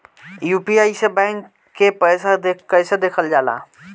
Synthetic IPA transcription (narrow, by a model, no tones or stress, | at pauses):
jupiaːisebɛ̃ŋkː | epəjsad̪ekəsed̪eːkʰəld͡ʒaːla̰